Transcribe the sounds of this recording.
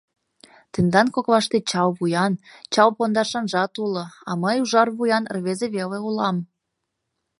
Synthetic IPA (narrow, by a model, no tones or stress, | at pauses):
t̪ə̆nd̪ɑnkokβɑʃt̪et͡ɕɑwβujɑnt͡ɕɑwpond̪ɑʃɑnʒɑt̪ulɤ̆ɑməjuʒɑrβujɑnrβezeβeleulɑm